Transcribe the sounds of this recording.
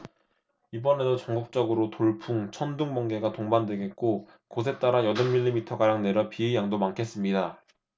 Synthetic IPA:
ibʌne̞dot͡ɕʌŋɡuk̚t͡ɕ͈ʌɡɯɾotoɭpʰuŋt͡ɕʰʌnduŋbʌŋɡe̞ɡatoŋbandwe̞ɡe̞t̚k͈o | kosʰe̞t͈aɾajʌdʌnmːiʎːimitʰʌɡaɾjaŋne̞ɾʌpiijaŋdomaŋkʰe̞s͈ɯmɲida

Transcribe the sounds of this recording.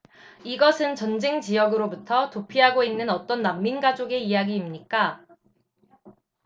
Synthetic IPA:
iɡʌsʰɯnt͡ɕʌnd͡ʑeŋt͡ɕijʌɡɯɾobutʰʌtopʰiɦaɡoinːɯnʌt͈ʌnːamːinɡad͡ʑoɡe̞ijaɡiːmɲik͈a

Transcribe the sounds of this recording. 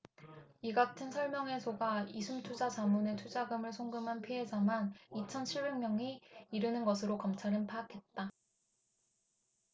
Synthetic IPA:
iɡak̚tʰɯnsʰʌɭmjʌŋe̞sʰoɡaisʰumtʰud͡ʑat͡ɕamunetʰud͡ʑaɡɯmɯɭsʰoŋɡɯmɦanpʰie̞d͡ʑamanit͡ɕʰʌnt͡ɕʰiɭbeŋmjʌŋiiɾɯnɯnɡʌsʰɯɾokʌmt͡ɕʰaɾɯnpʰaːkʰe̞t̚t͈a

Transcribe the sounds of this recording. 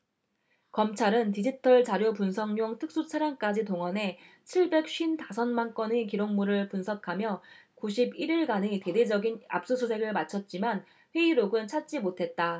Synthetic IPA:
kʌmt͡ɕʰaɾɯntid͡ʑitʰʌɭt͡ɕaɾjop̬unsʰʌŋɲoŋtʰɯk̚s͈ut͡ɕʰaɾjank͈ad͡ʑitoŋʌne̞ | t͡ɕʰiɭbe̞k̚ɕ͈ɥintasʰʌnmank͈ʌnekiɾoŋmuɾɯɭpunsʰʌkʰamjʌkuɕʰibiɾiɭɡanete̞de̞d͡ʑʌɡina̰p̚s͈usʰusʰe̞ɡɯɭmat͡ɕʰʌt̚t͡ɕ͈iman | ɸwe̞iɾoɡɯnt͡ɕʰat̚t͡ɕ͈imotʰe̞t̚t͈a

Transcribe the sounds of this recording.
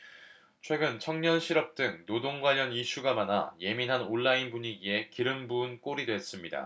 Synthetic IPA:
t͡ɕʰwe̞ɡɯnt͡ɕʰʌŋɲʌnɕʰiɾʌp̚t͈ɯŋnodoŋɡwaʎʌniɕʰuɡamana̰je̞minɦanoɭːainbuɲiɡie̞kiɾɯmbuɯnk͈oɾidwe̞s͈ɯmɲida̰

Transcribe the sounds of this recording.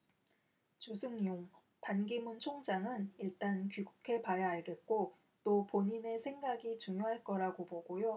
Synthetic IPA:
t͡ɕusʰɯŋjoŋ | panɡimunt͡ɕʰoŋd͡ʑaŋɯniɭt͈ankiɡukʰe̞pajaɦaɭɡe̞t̚k͈o | t͈opoɲine̞sʰe̞ŋɡaɡit͡ɕuŋjoɦaɭk͈ʌɾaɡoboɡojo

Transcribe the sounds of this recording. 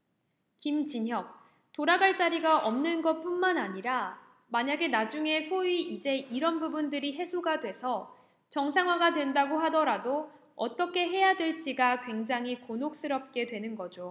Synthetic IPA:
kimd͡ʑiɲɦjʌk̚ | toɾaɡaɭt͡ɕ͈aɾiɡaʔʌmnɯnɡʌp͈unmanaɲiɾa | maɲaɡe̞nad͡ʑuŋe̞sʰoiid͡ʑe̞iɾʌnbubundɯɾiɦe̞sʰoɡadwe̞sʰʌ | t͡ɕʌŋsʰaŋɦwaɡadwe̞ndaɡoɦadʌɾado | ʌ̰t͈ʌkʰe̞ɦe̞jadwe̞ɭt͡ɕ͈iɡakwe̞ŋd͡ʑaŋɦikonok̚s͈ɯɾʌp̚k͈e̞dwe̞nɯnɡʌd͡ʑo

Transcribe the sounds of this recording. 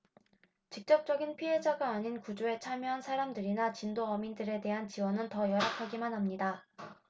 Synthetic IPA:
t͡ɕik̚t͡ɕ͈ʌk̚t͡ɕ͈ʌɡinpʰiɦe̞d͡ʑaɡaːɲinkud͡ʑoe̞t͡ɕʰamjʌɦansʰaɾamdɯɾinat͡ɕindoʌmindɯɾe̞de̞ɦant͡ɕiwʌnɯntʌjʌɾakʰaɡimanɦamɲida

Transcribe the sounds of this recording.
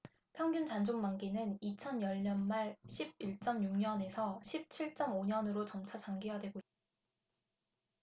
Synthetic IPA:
pʰjʌŋɡjunt͡ɕand͡ʑoŋmaŋɡinɯnit͡ɕʰʌnjʌʎɲʌnmaɭɕʰib̚iɭt͡ɕ͈ʌmjuŋɲʌne̞sʰʌɕʰip̚t͡ɕʰiɭt͡ɕ͈ʌmoɲʌnɯɾot͡ɕʌmt͡ɕʰat͡ɕaŋɡijadwe̞ɡoit̚t͈ḁ

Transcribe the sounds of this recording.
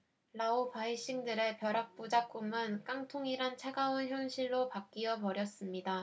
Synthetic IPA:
laopaiɕ͈iŋdɯɾe̞pjʌɾak̚p͈ud͡ʑak̚k͈umɯnk͈aŋtʰoŋiɾant͡ɕʰeɡaunçjʌnɕʰiɭːopak̚k͈iʌpʌɾjʌs͈ɯmɲida

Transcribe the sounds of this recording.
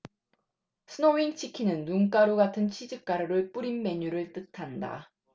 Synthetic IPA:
sʰɯnoiŋt͡ɕʰikʰinɯnːuŋk͈aɾuɡatʰɯnt͡ɕʰid͡ʑɯk̚k͈aɾɯɾɯɭp͈uɾinme̞ɲuɾɯɭt͈ɯtʰanda̰

